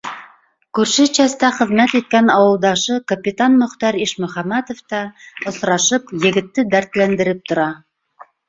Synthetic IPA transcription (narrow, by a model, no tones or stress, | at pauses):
kʉɾʃɘt͡ɕæst̪æχɘ̆ðmæt̪it̪̚kænɑwɤ̆lˠd̪ɑʃɤkɐpʲit̪ɑnmɵ̆χt̪ɑɾiʃmɵ̆χɑmæt̪ŏft̪ɑŏsɾɑʃɤpjɘ̆ɡɘ̆t̪ːɘd̪æɾt̪lænd̪ɘ̆ɾɘp̚t̪ŏɾɑ